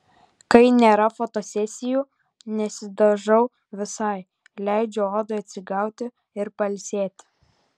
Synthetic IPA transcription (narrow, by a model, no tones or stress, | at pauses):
kɐɪnʲeːɾɐfot̪osʲɛsʲɪjuː | nʲɛsʲɪd̪ɐʒɐʊ | ʋʲɪsɑˑɪ | lʲæˑɪd͡ʒʲɛoːd̪oɐt̪ʲsʲɪɡɑˑʊt̪ʲɪ | ɪɾpɐlʲsʲeːt̪ʲ